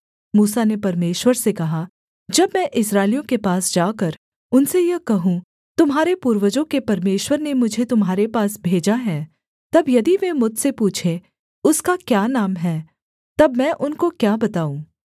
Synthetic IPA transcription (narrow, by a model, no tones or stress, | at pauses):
muːsanepɐɾmeːʃwəɾsekɐɦa | d͡ʒɐbmɛ̃ʔɪsɾaːɪlijõkepaːsd͡ʒaːkɐɾ | ʊnsejɐkɐɦũ | t̪ʊmɦaːɾepuːɾwəd͡ʒõkepɐɾmeːʃwəɾnemʊd͡ʒʱet̪ʊmɦaːɾepaːsbʱeːd͡ʒaɦɛ̃ː | t̪ɐbjɐd̪iʋemʊd̪ʱsepuːt͡ʃʰe | ʊskakjaːnaːmɦɛː | t̪ɐbmɛ̃ːʔʊnkokjaːbɐt̪aːũː